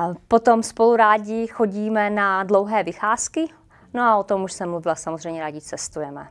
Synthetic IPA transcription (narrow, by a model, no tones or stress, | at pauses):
pot̪omspo̞luɾaːɟɪxo̞ɟiːmɛnadlo̞wɦɛːvɪxaːskɪ | noaot̪omuʃsɛmluvɪlasamozrɛjmɲɛɾaːɟɪt͡sɛst̪ujɛmɛ̰